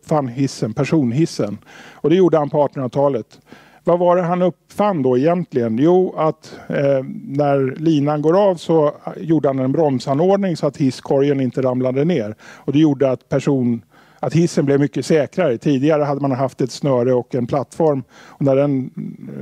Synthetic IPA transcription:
pfanːhɪsːənpʰæʂuːnɦɪsːənɔd̪ɛjuːɖəhanpʰɔɑːʈənat̪ʰɑːlət̪ | vavaɾɛɦanɵpfanːd̪ɔɛjɛnt̪lɪɡənjuːat̪ | næɾliːnanɡoːɾavsɔjuːɖəhanɛnbɾɔmsanːoːɖnɪŋsɔat̪hɪskʰɔɾjənɪnt̪əɾamlad̪əneːɾɔd̪ɛjuːɖəat̪pʰæʂuːn | at̪hɪsːənblɛvmʏkːəsɛːkɾaɾət̪ʰiːd̪ɪɡaɾəɦad̪ːəmanɦaft̪ɛt̪snœːɾəɔkːɛnpʰlat̪ːfɔɾmɔnæɖɛn

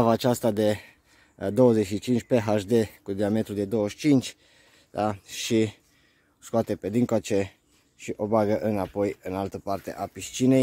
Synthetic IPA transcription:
avaːt͡ʃast̪ad̪e̞ | d̪o̞wəzeʃit͡ʃint͡ʃʲpe̞ɦaʃd̪e̞kud̪iamet̪ɾud̪e̞d̪o̞wəʃt͡ʃint͡ʃʲ | d̪aʃi | skoat̪e̞ped̪iŋkoat͡ʃe | ʃiʔo̞baɡəʔɨnapo̞jɨnalt̪əpart̪ḛʔapist͡ʃine̞j

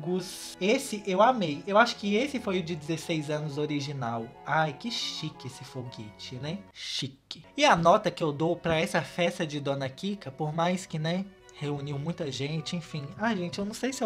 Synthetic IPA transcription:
ɡusesɪʔewamejewaʃʊ̥kɪesɪfojʊd͡ʒɪd͡ʒɪzesejzɐ̃nʊzoɾiʒinawajkɪʃʃikɪesɪfoɡit͡ʃɪnɛʃikɪɪɐnɔt̪ɐkɪewd̪owpɾɐɛsɐfɛst̪ɐd͡ʒɪd̪õnɐkikɐpoɾmajskɪnɛ | heuniwmũj̃t̪ɐʒẽt͡ʃɪẽfĩajʒẽnt͡ʃɪewñsejsɪe

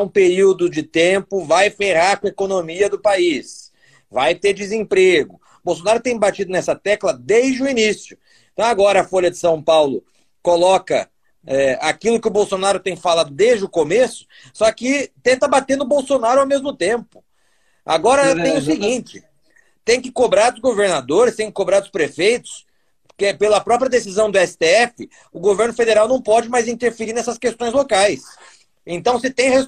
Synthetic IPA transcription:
ɛũpeɾiwd̪ʊd͡ʒɪt̪ẽmpʊvajfeʁaɾkɐ̃ekonomiɐd̪ʊpais | vajt̪eɾd͡ʒɪzẽpɾeɡʊ | bowsonaɾʊt̪ẽj̃bat͡ʃid̪ʊnɛsɐt̪ɛklɐd̪ejzd͡ʒɪʊinisjʊẽ | t̪ɐ̃w̃aɡɔɾɐɐfoʎɐd͡ʒɪsɐ̃w̃pawlʊ | kolɔkɐ̰ | ɛakilʊkɪʊbowsonaɾʊt̪ẽj̃falad̪ʊd̪ezd͡ʒɪʊkomesʊ̥ | sɔkɪt̪ẽnt̪ɐbat̪eɾd̪ʊbowsonaɾʊawmezmʊt̪ẽmpʊ̥ | a̰ɡɔɾɐt̪ẽj̃ʊsɪɡĩnt͡ʃɪ | t̪ẽj̃kɪkobɾaɾd̪ʊzɡoveɾnad̪oɾɪst̪ẽj̃kɪ̥kobɾaɾd̪ʊspɾefejt̪ʊ̥s | pkepelɐpɾɔpɾiɐd̪esizɐ̃w̃d̪ʊɛsɪ̥t̪eɛfɪ | ʊɡoveɾnʊfed̪eɾawnɐ̃w̃pɔd͡ʒɪmajzĩnt̪eɾfeɾiɾnɛsɐskest̪õj̃zlokajs | ẽnt̪ɐ̃w̃sɪt̪ẽj̃hes

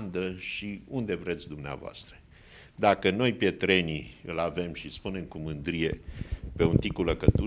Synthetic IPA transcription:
nd̪əʃiund̪e̞vɾe̞t̪sʲd̪umnea̰voa̰st̪ɾə | d̪akəno̞jpjet̪ɾe̞niɨlave̞mʃispune̞mkumɨnd̪ɾije̞pe̞unt̪ikuləkət̪u

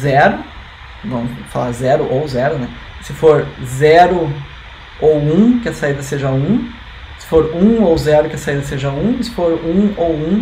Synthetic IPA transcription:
zɛɾʊ | vɐ̃mfala̰ɾzɛɾʊʔowzɛɾʊnɛ | sɪfoɾzɛɾʊ | owũkɪɐsaid̪ɐseʒɐũ | sɪ̥foɾũowzɛɾʊkɪɐsaid̪ɐseʒɐũsɪ̥foɾũowũ

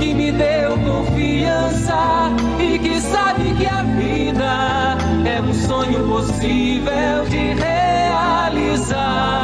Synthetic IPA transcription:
kɪmɪd̪ewkõfi | ɐ̃sɐ | ɪkɪsabɪkɪafi | nɐ | ɛũsõɲʊpos | i | ve | wd͡ʒɪɦe | a | liza

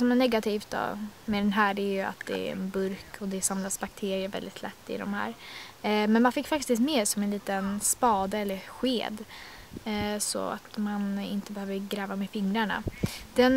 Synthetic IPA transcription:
sɔmæɳɛɡat̪ʰiːft̪̚d̪ɔ̰mɛd̪ɛnɦæːɖæɾjɵa̰t̪d̪ɛ̰ɾɛ̰nbɵɾkʰɔd̪ɛsamlasbak̚t̪ʰeːɾɪəɾvɛ̰ld̪ɪt̪ʰlɛ̰t̪ːɪ̰d̪ɔ̰mhæ̰ːɾ | mɛnmanfɪkːfak̚t̪ɪst̪meːɾsɔmɛnliːt̪ənspɑːd̪əɛlːəɾɧeːd̪ | sɔ̰a̰t̪manɪnt̪əbɛhøːvəɾɡɾɛːvamɛfɪŋːɾaɳa̰d̪̥ɛn

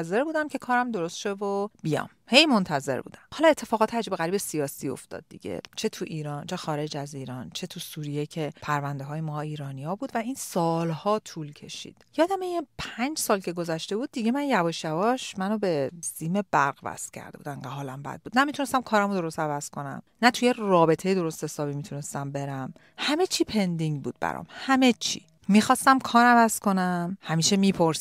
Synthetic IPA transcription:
ze̞ɾbuːd̪æmcʰe̞kʰɒːɾæmd̪o̞ɾost̪ʃevobijɒ̰ːmhe̞jmo̞nt̪ʰæzḛbṵːd̪æmhɒlɒe̞t̪ʰːe̞fɒːɣɒːt̪ʰeæd͡ʒibeɣæɾiːbe̞sijɒːsiːo̞̰ft̪ɒ̰ːd̪̚ːḭɟḛt͡ʃʰet̪ʰuʔiːɾɒːnt͡ʃʰe̞xɒːɾe̞d͡ʒæziːɾɒːnt͡ʃʰe̞t̪ʰusuːɾijecʰe̞pʰæɾvænd̪eɦɒːjemɒːiːɾɒːnijɒːbuːd̪væinsɒːlhɒːt̪ʰuːlcʰe̞̰ʃḭd̪̥jɒːd̪æmejepʰænd͡ʒsɒːlcʰe̞ɡo̞zæʃt̪e̞buːd̪̚ːiɟe̞mænjævɒːʃjævɒʃmænobe̞z̥iːme̞b̥æɾɢvæ̰st̪cʰæ̰ɾd̪ebuːd̪æŋɢæɦɒːlæ̰mbæ̰d̪̚buːd̪næmit̪ʰune̞st̪æmkʰɒːɾæmod̪oɾost̪ævæz̥kʰo̞næ̰mnæt̪ʰujerɒːbe̞t̪ʰe̞jed̪o̞ɾo̞st̪hesɒːbimit̪ʰune̞st̪æmbe̞ɾæm | hæme̞t͡ʃʰiːpʰe̞nd̪iŋɟbuːd̪̥̚bæ̰ɾɒ̰mhæme̞t͡ʃʰḭ | mixɒːst̪æmkʰɒːɾævæz̥kʰo̞næmhæmiːʃemipʰoɾs

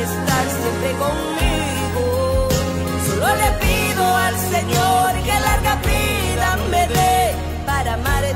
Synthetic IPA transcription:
est̪aɾsempɾekoŋmi | ɣo | olepi | ðoalseɲoɾkalaɾɣapi | lambeðe | paɾamaɾe

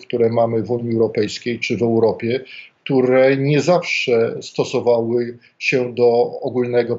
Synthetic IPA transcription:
k̚t̪uɾɛmamɘvuɲiɛwɾɔpɛjskʲejt͡ʂɘvɛwɾɔpʲjɛk̚t̪uɾɛɲɛzafʂɛst̪ɔsɔvawɘ | ɕɛd̪ɔɔɡulnɛɡɔ

